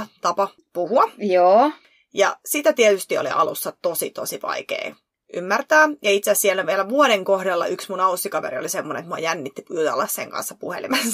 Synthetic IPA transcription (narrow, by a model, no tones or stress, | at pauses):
t̪ɑpɑ | puhuɑjoː | jɑ̰sit̪æt̪iet̪yst̪iolḭʔɑ̰lṵsːɑt̪osit̪osiʋɑ̰ikḛː | ʔy̰mːært̪æːjɑit̪seːssielæʋielæʋuoɾeŋkohdɑlːɑ̰ʔyksmunɑusːikɑʋḛɾio̰lisemːonḛḛt̪muɑjænːit̪ːiput̪ɑlːɑssḛŋkɑ̰nsːɑpuhḛlḭmɑs